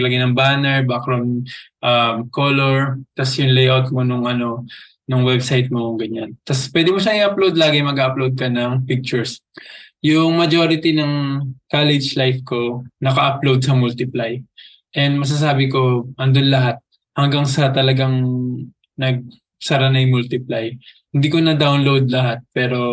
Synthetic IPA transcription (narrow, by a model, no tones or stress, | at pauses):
lɐɡɪjnɐŋbaːnɛɹbakɾonʔɐmkoloɹt̪ɐsjʊŋlɛjʔawt̪̚monʊŋʔɐno̞ | nʊŋwɛbsajt̪̚moŋɡɐɲant̪ɐspwɛd̪ɪmoʃɐŋɪʔɐplowd̪̚laːɡɪjmɐɡaɐplowd̪̚kɐnɐŋpɪk̚t͡ʃʊɹs | jʊŋmɐd͡ʒoɾɪt̪inɐŋkalɛd͡ʒlajfko̞nɐkɐʔɐplowd̪̚sɐmult̪ɪplaj | ʔɛnd̪mɐs̬as̬aːbɪko̞ʔɐnd̪onlɐɦat̪̚ | hɐŋɡaŋsɐt̪ɐlɐɡaŋ | nɐɡ̚ | sɐɾɐnɐjmʊlt̪ɪplajhɪnd̪iːkonɐd̪awnlowd̪̚lɐɦat̪̚pɛːɾo̞